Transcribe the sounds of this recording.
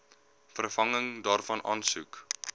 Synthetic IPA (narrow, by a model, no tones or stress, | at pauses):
fərfɐŋəŋdɑːrfɐnʔɑːnsuk